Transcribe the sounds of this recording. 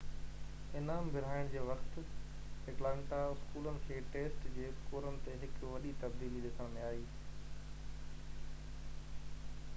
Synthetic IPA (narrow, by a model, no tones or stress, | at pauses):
ɪnaːmbʱɪɾ̤aːɪɽ̃d͡ʑeːʋɐxt̪̆ | eʈlãːɳʈaɪskuːlənɪ̆kʰeːʈeːsʈd͡ʑeːkoːɾənɪ̆t̪eɦɪkʋɐɗit̪ɐb̚d̪iːliɗɪsə̃ɽ̃mẽaːiː